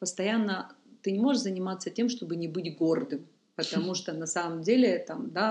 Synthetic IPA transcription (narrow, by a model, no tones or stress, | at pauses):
pəst̪ɐjanːət̪ɨnʲɪmo̞ʐɨʂzənʲɪmat̪sːətʲe̞mʂt̪o̞bɨnʲɪbɨtʲɡo̞rd̪ɨm | pət̪ɐmuʂt̪onɐsaməmdʲelʲɪt̪amd̪a